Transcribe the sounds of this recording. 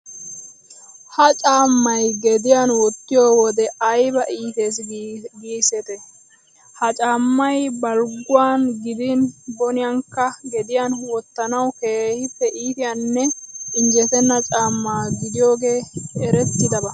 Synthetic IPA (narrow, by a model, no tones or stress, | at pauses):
hɐt͡ʃʼaːmːɐjɡɛd̪ɪjanwɔt̪ːɪjoːwɔd̪ɛɐjbɐʔiːt̪e̞ːsɡiːsɛt̪ɛ | hɐt͡ʃʼaːmːɐjbɐlɡʊwaːnɡɪd̪ɪnbɔnɪjaŋkːɐɡɛd̪ɪjaːnwɔt̪ːɐnɐwkeːhɪpːɛʔiːt̪ɪjanːɛɪnd͡ʒɛt̪ɛnːɐt͡ʃʼaːmːaːɡɪd̪ɪjo̞ːɡe̞ːɛɾɛt̪ːɪd̪ɐbɐ